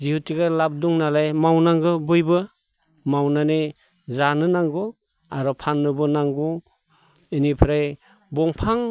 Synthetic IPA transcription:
zihutʰiɡalab̚duŋnalajmawnaŋɡɯbɯjbɯ | mawnane | zanɯnaŋɡɔ | aɾɔpʰanːɯbɯnaŋɡɔ | inipʰɾaj | bɔŋpʰaŋ

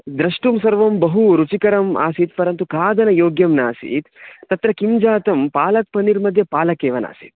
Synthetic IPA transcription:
d̪ɾɐʂʈumsɐɾʋɐmbɐɦuɾut͡ʃikɐɾɐma̰ːsiːt̪pɐɾɐnt̪ukaːd̪ɐnɐjoːɡjɐmnaːsḭːt̪ːɐt̪ɾɐkimd͡ʒaːt̪ɐmpaːlɐt̪̚pɐniɾmɐd̪ʱjɐpaːlɐkeːʋɐna̰ːsḭːt̪̚

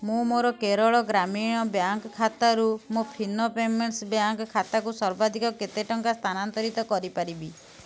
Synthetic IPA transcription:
mũmoɾɔkeɾɔɭɔɡɾamiɽ̃ɔbjaŋkɔkʰːat̪aɾumopʰinɔpemeɳsbjaŋkɔkʰat̪akusɔɾbad̪ʱikɔket̪eʈɔŋkast̪ʰanant̪ɔɾit̪ɔkɔɾipaɾibi

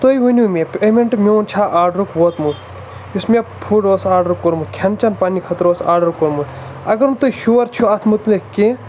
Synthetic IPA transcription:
t̪ojʋunʲumʲepemeɳʈmʲewnt͡ʃʰaʔaːɾɖɾukʋot̪mut̪ | ismʲepʰuɖosaːɾɖɾukːoɾmut̪kʲʰɐnt͡ʃɐnpanikʰɐt̪ɾosaːɾɖɐɾkoɾmut̪ʰ | ɐɡɐɾnut̪ojʃuʋɐɾt͡ʃʰuɐt̪ʰmut̪lekkːi

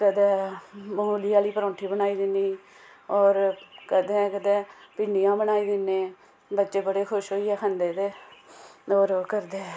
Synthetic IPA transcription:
kəd̪ɛ̃ːmoliːaːliːpəɾõːɳʈʰiːbənaːiːd̪ɪnːiː | ɔːɾkəd̪ẽːkəd̪ɛ̃ːpɪɳɖijãːbənaːiːd̪ɪnːeː | bətːʃeːbəɽeːkʰʊʃɦoːiːɛːkʰənd̪eːd̪eː | ɔːɾkəɾd̪eː

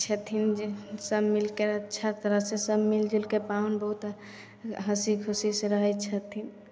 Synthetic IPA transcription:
t͡ʃʰət̪ʰinsəbmilkeəːt͡ʃʰat̪əɾəɦsesəbmild͡ʒilkepaunbəɦut̪ | ɦəsikʰusisẽɾəɦət͡ʃʰət̪ʰin

